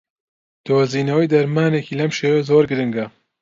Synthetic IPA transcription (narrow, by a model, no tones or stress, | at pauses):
d̪̥oːziːnɐwɐjd̪ɐɾmaːneːkiːlɐmʃeːwɐzoːɾɡɨɾɨŋɡɐ